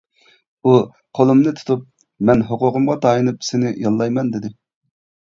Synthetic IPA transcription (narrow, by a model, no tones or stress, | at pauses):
u | qʰolˠumnɨt̪ʰu̥t̪ʰup̚ | mɛnɦoqʊqʰʊmʁɑt̪ʰɑjinɨpsɪnɪjɑlˠːɑjmɛnd̪ɪd̪ɪ